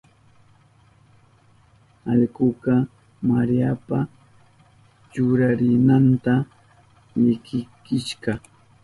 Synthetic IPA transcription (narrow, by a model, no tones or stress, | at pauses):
ɑʎɢʊqɑ | maɾijapa | t͡ʃʊɾaɾɪnant̪a | ʎɪkɪkɪʃɢɑ